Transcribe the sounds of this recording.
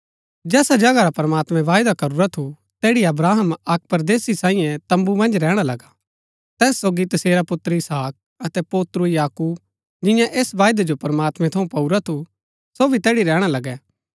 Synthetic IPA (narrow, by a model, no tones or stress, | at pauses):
d͡ʒɛːsad͡ʒɐɡaɾapɐɾmaːt̪mɛ̃ʋaːjd̪akɐɾuɾat̪ʰu | t̪ɛːɽiɐbɾaːɦəmɐk̚pɐɾd̪eːsisãːĩːjɛ̃t̪ɐ̃mbumɐ̃nd͡ʒɾɛːɽ̃alɐɡa | t̪ɛːsːoːɡit̪ɐseːɾapʊt̪ɾəɪsaːk̚ | ɐt̪ɛpoːt̪ɾʊjaːkuːb | d͡ʒɪ̃jãʔeːsʋaːjd̪ed͡ʒopɐɾmaːt̪mɛ̃t̪ʰɐũpɐuɾat̪ʰu | sobʱit̪ɛːɽiɾɛːɽ̃alɐɡɛː